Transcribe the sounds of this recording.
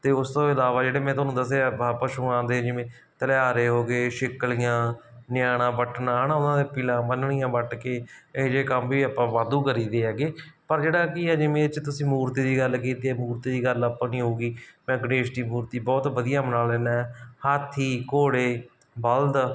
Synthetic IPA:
t̪eːʊst̪õːɪlaːʋaːd͡ʒeːɽeːmɛ̃ːt̪ʊaːnũːd̪əseabpəʃuːãːd̪eːd͡ʒɪʋẽː | t̪əlaːɾeːɦoːɡeːʃɪklijãː | nɪjaːɽ̃ãːbəʈnãːɦənaːʊnãːd̪eːpɪlãːbənɳɪjãːbəʈkeːɪd͡ʒeːkəmʋiːaːpãːʋaːd̪ũːkəɾiːd̪eːɦɛːɡeː | pəɾd͡ʒeːɽaːkiɛːd͡ʒɪmẽːt͡ʃt̪ʊsĩːmuːɾt̪iːd̪iːɡəlkiːt̪eːɛːmuːɾt̪iːd̪iːɡələpːãːnĩːɦoːɡiːmɛ̃ːɡəɽeːʃʈ̪iːmuːɾt̪iːbɔːt̪bəd̪ɪjãːmənaːldeːnaːɛːhaːt̪ʰiːkoːɽeː | bəld̪

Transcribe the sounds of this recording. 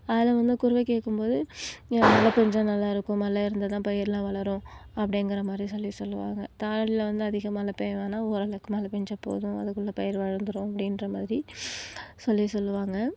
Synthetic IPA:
ɐðɪlɐʋɐnd̪ɯkʊɾɯʋɐkeːʈkːɯmpoːðɯɛnɐlːɐpɛɲd͡ʒɐ̃nɐlːaːɪɾɯkːʊ̃mnɐlːaːɪɾɯnd̪ɐt̪ãːpɐjɪɾɪlãːʋɐɭɐɾʊ̃ɐpːɐɽɪŋɡɪɾɐmaːd̪ɾisɔlːisɔlːɯʋa̰ːŋɡɐt̪aːlɐɭɪlɐʋɐnd̪ɯɐðɪɣɐmaːlɐpeːʋaːnaːoːɾɐlɐkːɯmɐːlɐpɛɲd͡ʒɐpːo̰ːðʊ̃ɐ̰ðɯkːɯlːɐpɐjɪɾʋɐɻɯnd̪ɯɾʊ̃ɐpːɐɽɪnɾɐmaːðɪɾi | sɔlːisɔlːɯʋaːŋɡɐ

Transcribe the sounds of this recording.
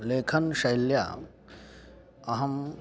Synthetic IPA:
leːkʰɐnʃɐjlja̰ | ɐɦɐm

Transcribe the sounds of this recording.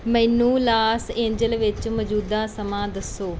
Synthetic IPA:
mɛ̃ːnũːlaːsẽːɲd͡ʒəlʋɪt͡ʃmɔd͡ʒuːd̪ãːsəmãːd̪əsːoː

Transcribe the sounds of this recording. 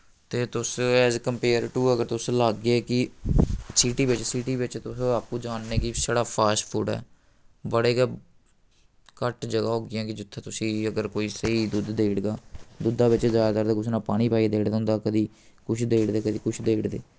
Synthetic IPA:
t̪eːt̪ʊsɛːzkəmpeːɾʈuːəɡəɾt̪ʊslaːɡːeːkɪ | siːʈiːbɪt͡ʃsiːʈiːʋɪt͡ʃt̪ʊsõaːpkũːd͡ʒaːnːeːkɪsaːɽaːpʰaːʃpʰuːʈɛ̰ː | bəɽeːkə | kəʈd͡ʒəɡaːɦoːɡɪjãːkɪd͡ʒɪt̪ʰːeːt̪ʊsĩːəɡəɾkoːiːsəɦiːd̪ud̪d̪eːɽɡaːd̪ʊd̪aːbɪt͡ʃzaːjt̪aɾd̪eːkʊsnaːpaːɽ̃iːpaːiːd̪eːɽd̪ɦʊ̃nd̪aːkəd̪iː | kʊt͡ʃʰd̪eːɽd̪eːkəd̪iːkʊt͡ʃʰd̪eːɽd̪eː

